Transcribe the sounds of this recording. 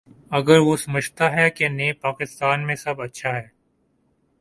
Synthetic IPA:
ɐɡəɾʋosɐməd͡ʒʱt̪aɦɛkeneːpaːkɪst̪aːnmẽsɐbɐtːʃʰaɦɛː

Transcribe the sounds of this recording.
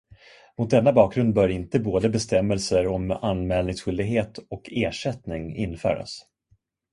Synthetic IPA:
mʊt̪̚d̪ɛnːabɑːk̚ɡɾɵnd̪̚bœːɾɪnt̪əboːd̪əbɛst̪ɛmːɛlsəɾɔmanmɛːlnɪŋsɧʏld̪ɪɡɦeːt̪ɔkʰeːʂɛt̪nɪŋɪ̰nfœ̰ːɾa̰s

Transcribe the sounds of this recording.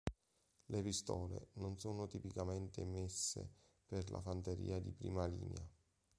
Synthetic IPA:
lepist̪ɔːlenonsoːnʊt̪ipikament̪emesːḛ | perlʔa̰fant̪eɾḭːad̪ipɾiːmalḭːnea

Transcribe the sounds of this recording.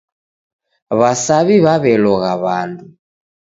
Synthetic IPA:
βasaβiβaβɛlɔɣaβandu

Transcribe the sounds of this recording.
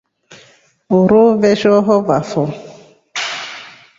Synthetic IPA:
oɾovɛʃɔɦɔvafɔ

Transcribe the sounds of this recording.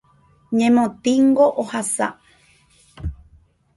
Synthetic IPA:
ɲẽmõt̪iŋɡoʔohasa̰

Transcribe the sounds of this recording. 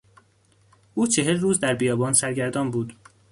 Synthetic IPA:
ʔuːt͡ʃʰe̞ɦelruːzd̪æɾbijɒːbɒːnsæɾɟæɾd̪ɒːnbuːd̪

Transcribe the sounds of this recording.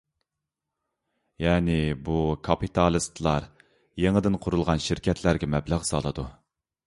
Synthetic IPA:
jɛːnɪbukʰɑpit̪ʰɑlˠɨst̪ʰlˠɑɾ | jeŋəd̪ɨnqʰʊɾulˠʁɑnʃiɾkʲɛt̪ʰlæɾɡʲɛmɛblæʁsɑ̰lˠɨd̪u

